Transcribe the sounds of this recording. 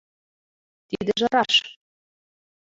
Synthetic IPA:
t̪id̪ɘʒɤ̆ɾɑʃ

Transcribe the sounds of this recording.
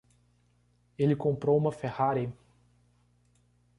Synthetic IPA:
elɪkõmpɾowũmɐfehaɾɪ

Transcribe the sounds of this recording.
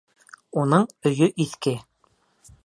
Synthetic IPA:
unɤɴɵ̆jɵʔiθkɘ

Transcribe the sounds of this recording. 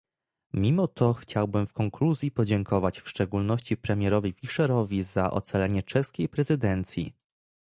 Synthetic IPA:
mʲimɔt̪ʰɔxt͡ɕawbɘmfkɔŋkluzʲjipɔd͡ʑɛŋkɔvat͡ɕfʂt͡ʂɛɡulnɔɕt͡ɕipɾɛmʲjɛɾɔvʲifʲiʂɛɾɔvʲizaʔɔ̰t̪salɛɲɛt͡ʂɛskʲejpɾɛzɘd̪ɛnt̪sʲjḭ

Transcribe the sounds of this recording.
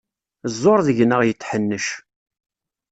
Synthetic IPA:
zˤːoɾˤðəʝnəʁjət͡sːħənːəʃ

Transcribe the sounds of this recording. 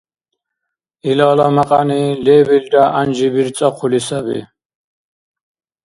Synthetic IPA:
ilalamaqʼanilɛbild̪aʔanʒibiɾt͡sʼaqʰulisabḭ

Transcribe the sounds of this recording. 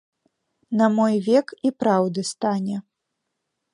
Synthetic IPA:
nɐmɔjvʲɛkipɾawd̪ɨst̪anʲɛ

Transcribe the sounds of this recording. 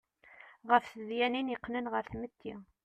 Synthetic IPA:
ʁəfθəðjæninjəqːnənʁəɾθmət̪ːi

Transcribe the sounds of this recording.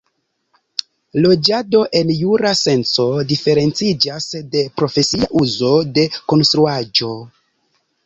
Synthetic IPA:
lo̞d͡ʒado̞ʔe̞njuɾase̞nt͡so̞dife̞ɾe̞nt͡sid͡ʒasde̞pɾo̞fe̞siaʔuzo̞de̞ko̞nst̪ɾuad͡ʒo̞

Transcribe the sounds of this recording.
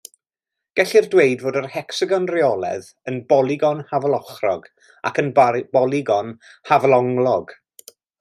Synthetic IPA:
ɡ̥ɛɬirdweɨdvoːdərhɛksɪɡɔnrɪɔlˠɛ̰ð | ənbɔlˠɪɡɔnhavlˠɔχrɔɡ | a̰kʰənb̥ɔlˠiɡɔnhavlˠɔŋlˠɔɡ

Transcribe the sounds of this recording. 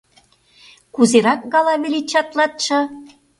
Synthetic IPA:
kuzeɾɑk̚ɡɑlɑβilit͡ɕɑt̪lɑt̪̚ʃɤ̆

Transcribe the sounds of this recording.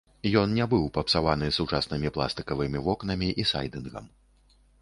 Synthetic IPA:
jɔnnʲɛbɨwpɐpsavanɨsut͡ʂasnɨmʲiplˠa̰st̪ɨkɐvɨmʲivɔknɐmʲiʔisa̰jd̪ɨnɣɐ̰m

